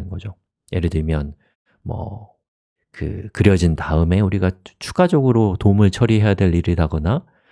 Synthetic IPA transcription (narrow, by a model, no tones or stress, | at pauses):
ɯnɡʌd͡ʑo | jʔeɾɯdimjʌn | mʌ̰ | kɯ̰kɯɾjʌd͡ʑintaɯme̞uɾiɡat͡ɕʰu̥ɡad͡ʑʌɡɯɾotomɯɭt͡ɕʰʌɾiɦe̞jadwe̞ɭːiɾidaɡʌna